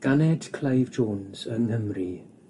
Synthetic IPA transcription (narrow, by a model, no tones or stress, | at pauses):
ɡ̥anɛd̥kʰlˠajvd͡ʒoːnz̥əŋhəmri